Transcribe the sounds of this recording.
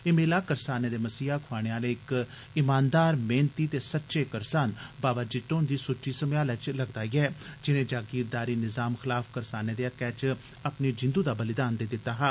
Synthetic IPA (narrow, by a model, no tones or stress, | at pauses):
ɪmeːlaːkəɾsaːneːd̪eːməsiːaːkʰʊaːɽ̃eːaːleːɪk | ɪmaːnd̪aːɾmeːnt̪iːt̪eːsətːʃeːkəɾsaːnbaːbaːd͡ʒɪt̪oːnd̪iːsʊʈːiːsəmjaːlət͡ʃləɡd̪aːiːɛːd͡ʒɪnẽːd͡ʒaːɡiːɾd̪aːɾiːnɪzaːmxɪlaːfkəɾsaːneːd̪eːakɛːt͡ʃ | apneːd͡ʒɪ̃nd̪uːd̪aːbəlɪd̪aːnd̪eːd̪ɪt̪ːaːɦaː